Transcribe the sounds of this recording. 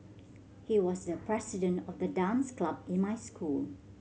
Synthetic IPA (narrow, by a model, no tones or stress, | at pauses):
hiwɔsdəpʰɹɛsɪdə̃ntɔfdədãmsklabɪ̃nmaɪskʰul